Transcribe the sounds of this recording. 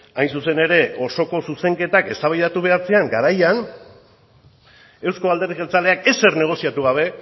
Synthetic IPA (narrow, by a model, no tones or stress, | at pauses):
ajnsuse̞ne̞ɾe̞o̞so̞ko̞suse̞ŋke̞t̪ake̞st̪aβajðat̪uβe̞aɾt͡seaŋɡaɾajan | e̞wsko̞ald̪e̞rðiɣelt͡sale̞ake̞se̞ɾne̞ɣ̞o̞siat̪uɣaβ̞e̞